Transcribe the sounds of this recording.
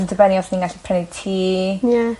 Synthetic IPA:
ndʰəbɛniɔθniŋɡaɬi̥pʰrɛnitʰiːja

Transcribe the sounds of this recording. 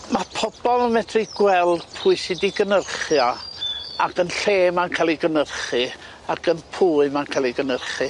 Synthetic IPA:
mapʰɔbɔlˠəmɛtʰriɡ̥wɛlˠd̥pʰʊɨsidiɡənərχja | akənɬeːmankʰalˠiɡənərχɨ | akʰənpʰuːɨmankʰalˠiɡənərχɨ

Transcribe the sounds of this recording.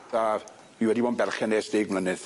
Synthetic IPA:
a | miwɛdiwɔnbɛrχɛneːsd̥eːɡmlˠənɨð̥

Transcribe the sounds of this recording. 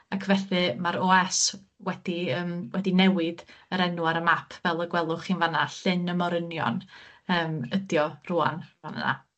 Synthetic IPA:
akʰvɛθɨmaɾoɛs | wɛd̥iəːmwɛdinɛwɪdəɾɛnuaɾəmapʰvɛlˠəɡwɛlˠʊχiːnvanaɬɪnəmɔɾənjɔ̰nəːmədjɔruːa̰nvanə̰na̰

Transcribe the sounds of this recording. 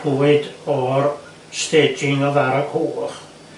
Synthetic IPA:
uɨdɔr | stʰeːd͡ʒɪŋɔðaɾɔɡ̥hoːχ

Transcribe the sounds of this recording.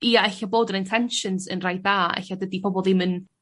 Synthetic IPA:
iːaɛɬablˠoːdənɪntʰɛnʃənsə̰nrajdðaːɛ̰ɬadədipʰɔbɔlˠðɪmən

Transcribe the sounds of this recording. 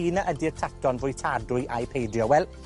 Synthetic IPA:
inaʔədirtʰatɔnvʊjtʰaːdʊjʔajpʰejdjɔwɛlˠ

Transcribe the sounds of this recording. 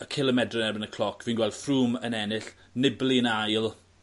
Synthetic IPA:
əkʰɪlˠəmɛdrɔnɛrbənəkʰl̥ɔkʰviːnɡwɛlˠd̥fruːmənɛnɪɬ | nɪbliənajlˠ

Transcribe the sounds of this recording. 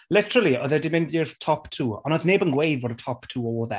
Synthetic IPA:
lɪtəɹəlˠiɔðɛdɪmɪ̃ndjɪrtʰɔptʰuːɔ̰nəðneːbənɡwejðvɔdətʰɔptʰuːɔːlðɛ

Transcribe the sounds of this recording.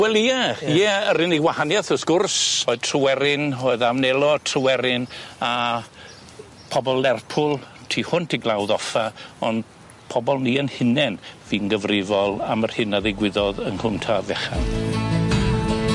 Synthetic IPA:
wɛlˠiajɛəɾɪniwahanjaθəskʊrsoːɨðtʰrəwɛɾɪnoːɨðamnɛlˠɔtʰrəwɛɾɪna | pʰɔbɔlːɛrpʰʊlˠtʰiːhʊntʰiɡlˠawðɔfaɔnd | pʰɔbɔlˠniːənhɪnɛnviːnɡəvrɪvɔlˠamərhɪnaðɪɡwɪðɔðənhʰʊmtʰavɛχa̰n

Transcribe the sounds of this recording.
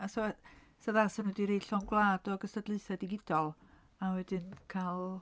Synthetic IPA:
asɔɛsaðasənɛdiɾejɬɔnɡwlˠaːdɔɡəstədlˠɨɨθadɪɡɪd̥ɔlˠ | awɛdɪnkʰalˠ

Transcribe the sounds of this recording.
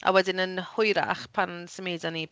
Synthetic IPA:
a̰wɛdɪnənhʊjɾa̰χpʰansəmeːdani

